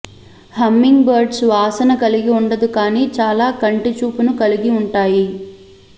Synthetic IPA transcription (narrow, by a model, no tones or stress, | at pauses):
hɐmːiŋɡbɐɾɖsʋaːsɐnɐkɐliɡiuɳɖɐd̪ukaːniːt͡ʃaːlaːkɐɳʈit͡ʃuːpunukɐliɡiuɳʈaːji